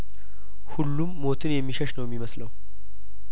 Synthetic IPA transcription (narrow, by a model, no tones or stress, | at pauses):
hulːumːo̞t̪ʰɨnjɛmːiʃəʃnəwjɛmːiməsləw